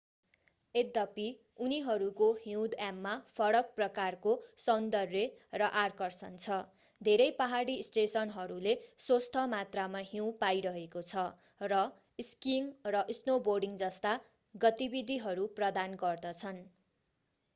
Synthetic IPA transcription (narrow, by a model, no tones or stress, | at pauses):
ed̪ʌpi | uniɦʌɾukoɦiw̃d̪amːapʰʌɽʌk̚prʌkarkosʌnd̪ʌrjerʌʔarkʌrsʌnt͡sʰʌ | d̪ʱeɾʌjpaɦaɽisʈesʌnɦʌɾuleswost̪ʰʌmat̪ramaɦiw̃pajɾʌɦekot͡sʰʌ | rʌ | skiŋrʌʔisnoborɖiŋd͡zʌst̪a | ɡʌt̪ibid̪ʱiɦʌɾuprʌd̪anɡʌrd̪ʌt͡sʰʌn